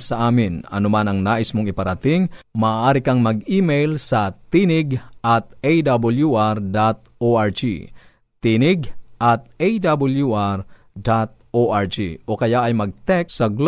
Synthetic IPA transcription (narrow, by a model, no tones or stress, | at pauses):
sɐʔaːmɪnɐ̰nomanɐŋnaːʔɪsmoŋɪpɐɾɐt̪ɪŋmɐːʔaːɾɪkɐŋmɐɡiːmɛjlsɐt̪inɪɡʔɐt̪̚ʔejd̪abɐljuʔaɾd̪at̪̚ | oʔaɹd͡ʒḭ | t̪inɪɡʔɐt̪̚ejd̪abɐljuʔaɾ | d̪at̪̚ʔoʔaɹd͡ʒḭʔo̞kɐjaʔɐjmɐɡ̚t̪ɛkssɐɡl